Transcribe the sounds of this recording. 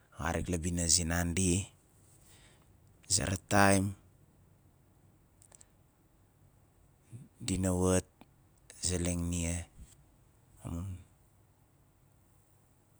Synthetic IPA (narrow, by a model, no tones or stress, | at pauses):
ɣa̰ɾiklabinazinandi | za̰ɾatajm | dinawat̚ | zeleŋnie | a̰mun